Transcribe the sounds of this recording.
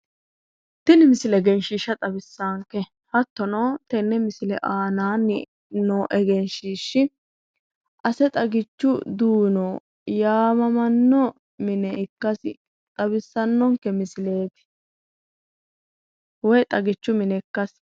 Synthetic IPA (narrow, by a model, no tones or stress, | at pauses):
t̪ɪnɪmɪsɪlɛɡɛnʃiʃɐt̪ʼɐbɪsːaːŋkːɛ | hɐt̪ːɔnoːt̪ɛnːɛmɪsɪlɛʔaːnaːnːɪ | noːʔɛɡɛnʃiːʃːɪ | ʔɐsɛt̪ʼɐɡɪt͡ʃːʊd̪uːnoː | jaːmɐmɐnːɔ | mɪnɛɪkːɐsɪ̰ | t̪ʼɐbɪsːɐnːɔŋkːɛmɪsɪle̞ːt̪ɪ̥ | wɔjt̪ʼɐɡɪt͡ʃːʊmɪnɛkːɐs